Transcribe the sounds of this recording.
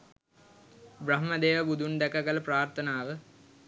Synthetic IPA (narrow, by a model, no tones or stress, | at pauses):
bɾɐɦməd̪eːʋəbud̪ʱund̪ækɐkələpraːrt̪ʰənaːʋə